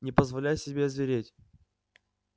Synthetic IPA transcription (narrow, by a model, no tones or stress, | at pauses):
nʲɪpəzvɐlʲæjsʲɪbʲezvʲɪɾʲetʲ